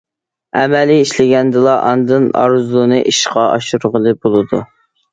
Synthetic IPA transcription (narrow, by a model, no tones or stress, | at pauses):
ɛmɛliiʃlɪɡʲɛnd̪ɨlˠɑʔɑ̰nd̪ɨnɑ̰ɾɨzlˠɨnɨʔiʃqɑɑʃuɾʁəlˠɨbolˠɨd̪u